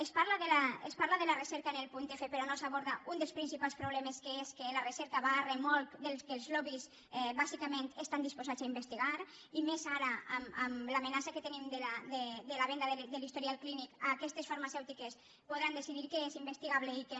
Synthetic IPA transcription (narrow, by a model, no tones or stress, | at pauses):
espaɾlaðelaespaɾlaðelaresɛɾkaenelpunt̪efepeɾɔnosaβɔɾðaund̪elspɾinsipalˠspɾoβlɛmeskeeskelaresɛɾkaβaremɔlˠkd̪elskelˠzlɔβis | βazikamẽnt̪est̪and̪ispozat͡saimbest̪iɣaɾ | imezaɾaamamlamenasaket̪enimd̪elad̪ed̪elaβ̞ɛnd̪aðed̪elist̪oɾialklinikakɛst̪esfaɾmasɛwt̪ikes | poðɾand̪efiðiɾkeezimbest̪iɣaβleike